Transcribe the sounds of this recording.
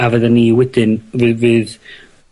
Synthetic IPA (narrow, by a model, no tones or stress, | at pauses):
avɛðənːiwɛdɪnvɨvɨːð